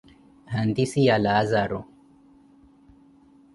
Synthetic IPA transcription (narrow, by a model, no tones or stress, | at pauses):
hand̪isijalaːzaɾo